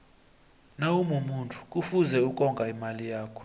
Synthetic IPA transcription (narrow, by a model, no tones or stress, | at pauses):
nawumumuntʰʼu̥kʼufuzɛukʼɔŋɡʼaimalijaːkʰɔ̥